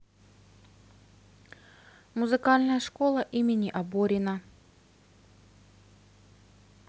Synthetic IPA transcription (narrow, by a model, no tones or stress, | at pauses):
mʊzɨkalʲnəjəʂko̞lˠəʔimʲɪnʲiʔɐboɾʲɪnə